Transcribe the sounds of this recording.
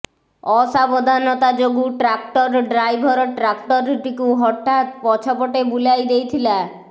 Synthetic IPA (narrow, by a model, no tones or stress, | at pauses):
ɔsabɔd̪ʱanɔt̪ad͡ʒoɡuʈɾak̚ʈɔɾɖɾajbʱɔɾɔʈɾakʈɔɾʈikuɦɔʈːat̪pɔt͡ʃʰɔpɔʈebulajd̪ejt̪ʰila